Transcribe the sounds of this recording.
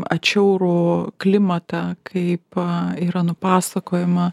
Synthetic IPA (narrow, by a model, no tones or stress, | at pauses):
ɐt͡ʃʲɛʊɾuːklʲɪmɐt̪ɑkʰɐɪpiːɾɐnʊpɑːsɐkoːjɪmɐ